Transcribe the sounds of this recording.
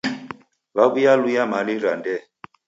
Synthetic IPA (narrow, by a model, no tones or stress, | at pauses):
βaβujalujamaliɾandɛ